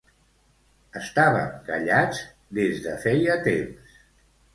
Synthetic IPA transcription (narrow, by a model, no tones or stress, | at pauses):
əst̪aβə̰ŋkəʎad͡z | d̪ezðə̰fɛjət̪ems